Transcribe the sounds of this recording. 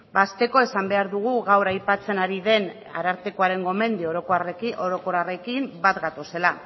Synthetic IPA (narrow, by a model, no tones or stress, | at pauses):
bast̪e̞ko̞e̞sambe̞aɾðuɣ̞uɣawɾajpat͡se̞naɾiðe̞n | a̰ɾaɾt̪ekoaɾe̞ŋɡo̞me̞nd̪ioɾoriʔoɾo̞ko̞ɾare̞kimbat̪ɡat̪o̞se̞la